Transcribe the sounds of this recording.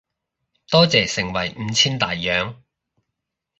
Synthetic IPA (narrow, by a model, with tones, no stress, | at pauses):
t̪ɔː˥t͡sɛː˨˩sɪ˨˩ŋwɐ˨˩jm̩˨˧˦t͡sʰiː˥nt̪aː˨jːœː˨˧ŋ